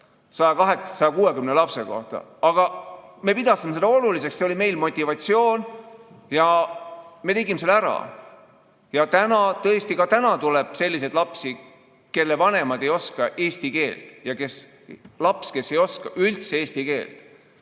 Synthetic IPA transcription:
sɑjɑkɑɦekssɑjɑkuːwe̞kymnelɑpse̞̰ko̞̰ht̪ɑ̰ɑɡ̥ɑme̞pid̪ɑsimeed̪ɑo̞lulis̬e̞kseo̞lʲime̞jlmo̞t̪ʲːˑivɑt̪sio̞ːn | jɑ | me̞t̪e̞ɡimeselæɾɑ̰ | jɑt̪ænɑt̪ɤest̪ikɑt̪ænɑt̪uleb̥se̞lːised̪lɑpsi | ke̞lːevɑne̞mɑd̪e̞jo̞skɑʔe̞ːsʲt̪ike̞ːlt̪jɑke̞s | lɑpske̞sːe̞jo̞skɑʔylt̪seeːsʲt̪ike̞ːlt̪

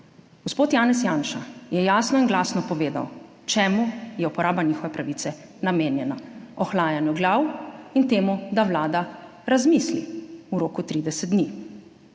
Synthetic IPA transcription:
ɡ̥ɔspoːt̪jaːnɛsjaːnʃajɛjaːsnɔinɡlaːsnɔpɔʋeːd̪a̰w | t͡ʃɛːmujɛupɔɾaːbanixɔʋɛpɾaʋit̪sɛ | nameːnjɛnaɔxlaːjanjuɡlawint̪eːmud̪aʋlaːd̪aɾazmislḭuɾoːkut̪ɾiːd̪ɛsɛt̪̚d̪ni

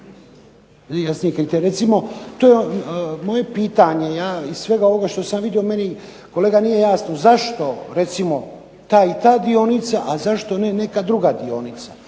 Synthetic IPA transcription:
jasnijekɾit̪eɾɾe̞t̪simo̞t̪oːjemo̞je̞piːt̪aɲe̞jaːizsʋe̞ɡao̞ʋo̞ɡaʃt̪osamʋid̪io̞me̞ni | ko̞leɡanije̞jaːsnozaʃt̪o̞ɾe̞t̪simo̞ | t̪aːit̪aːd̪io̞nit̪saʔazaʃt̪o̞ne̞ne̞kad̪ɾuɡad̪io̞̰nit̪sḁ

